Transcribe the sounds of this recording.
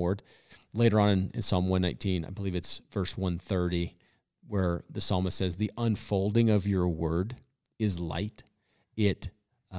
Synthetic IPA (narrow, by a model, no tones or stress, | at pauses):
ɹd̚ | leɪɾə˞ə̃nɨ̃nɨ̰̃nsɑlˠmwʌ̃nːãɪ̃ntʰĩna̰ɪbəlivɨtsv̥ɜ˞swʌ̃nθɜ˞ɾi | wə˞ðɨsɑlˠməsɛzðiʔə̃nfoʊlˠdɪ̃ŋʌvjə˞wɜ˞d | ɪzla̰ɪɾ | ɪɾ